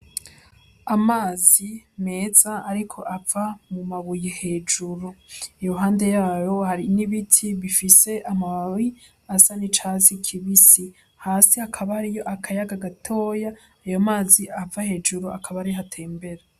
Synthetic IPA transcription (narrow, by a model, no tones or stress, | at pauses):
amaːzime̞ːz̥aːɾikʰo̞ʔavamumaβujehe̞ːd͡ʒuɾuijoɦaːnde̞jaːjo̞haɾiniβitʰiβifise̞ʔamawi | asanit͡ʃaːzikʰiβisi | haːsihakʰaβahaɾijo̞ʔakʰajaɡaɡatʰo̞ːjaː | jomaːziʔavahe̞ːd͡ʒuɾuakʰaβaaɾiɦatʰe̞ːmbe̞ɾa